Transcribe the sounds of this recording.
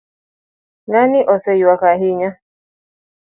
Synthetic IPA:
naniʔɔsɛiwakaɦiɲa

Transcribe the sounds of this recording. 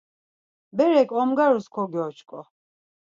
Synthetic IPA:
bɛɾɛkʼɔmɡaɾuskʰɔɡɔt͡ʃʰkʼɔ

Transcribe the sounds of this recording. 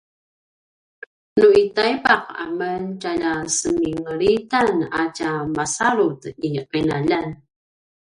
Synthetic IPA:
nuitajbaqa̰məntaʎasəmiŋəɾitanacamasaɾut̪iqinaʎan

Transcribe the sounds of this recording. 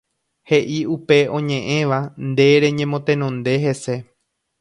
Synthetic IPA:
he̞ʔiupe̞õ̞ɲẽ̞ʔẽ̞ʋand̪e̞ɾe̞ɲẽ̞mõt̪ẽ̞nõnd̪e̞ɦese̞

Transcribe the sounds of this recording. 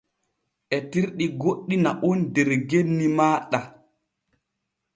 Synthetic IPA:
ʔɛtiɾɗiɡoɗːinaʔundɛɾɡenːimaːɗa

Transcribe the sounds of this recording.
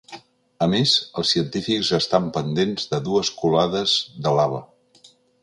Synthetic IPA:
əmezəlˠsːiənt̪ifikzəst̪ampənd̪enzðəðuəskulaðəzðəlaβ̞ə

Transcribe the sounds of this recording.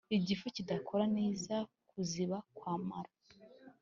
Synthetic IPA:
iɟifocidakʰo̞ɾaneːza | kuziβakwaːmaɾa

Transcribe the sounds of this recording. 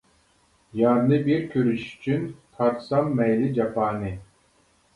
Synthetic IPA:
jɑɾnɨbiɾkʲʰøɾyʃy̥t͡ʃʰynt̪ʰɑɾt̪sɑmːɛjlɪd͡ʒapaːnɨ

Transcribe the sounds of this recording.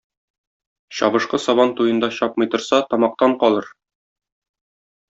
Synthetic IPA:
ɕɒ̰βɤ̆ʃqɤsɒβɑnt̪ujɤ̆nd̪ɑɕɒpmɤ̆jt̪ɤ̆ɾsɑt̪ɒmɑq̚t̪ɑɴqɒlˠɤɾ

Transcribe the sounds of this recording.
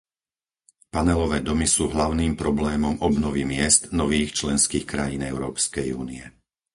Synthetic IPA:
panɛlɔʋɛːd̪ɔmisuːɦlaʊniːmpɾɔblɛːmɔmɔbnɔʋimɪɛst̪nɔʋiːxt͡ʃlɛnskiːxkɾajinɛʊɾɔːpskɛjṵːniɛ

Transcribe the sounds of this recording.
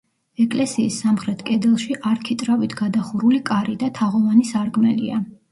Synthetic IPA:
ɛkʼlɛsiːsːamχɾɛt̪ʰkʼɛd̪ɛlˠʃiʔaɾkʰit̪ʼɾavit̪ʰɡad̪aχuɾulikʼaɾid̪at̪ʰaʁɔvanisaɾɡmɛlḭa

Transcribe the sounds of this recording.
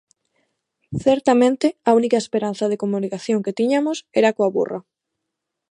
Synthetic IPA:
θɛɾt̪amẽnt̪ɪaunikaespeɾan̟θɐð̞ekomunikaθjoŋket̪iɲamʊsɛɾakoaβṵra

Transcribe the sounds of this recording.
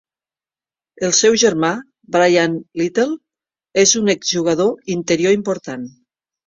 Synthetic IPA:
elˠsɛwʒeɾma | bɾajanlit̪el | ezunekzʒuɣaðoint̪eɾjoimpoɾt̪an

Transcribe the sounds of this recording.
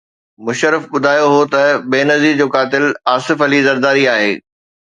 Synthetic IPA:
mʊʃəɾɪfɓʊd̪ʱaːjoɦot̪ɐbeːnɐzid͡ʑoːkaːt̪ɪlaːsɪfɐlizɐɾd̪aːɾiaːɦḛː

